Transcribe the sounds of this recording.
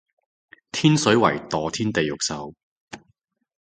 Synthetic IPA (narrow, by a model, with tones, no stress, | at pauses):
t̪ʰiː˥nsɵ˨˥ɥwɐ̰˨˩jt̪ɔː˨t̪ʰiː˥nt̪e˨jːʊ˨k̚sɐ˨˧w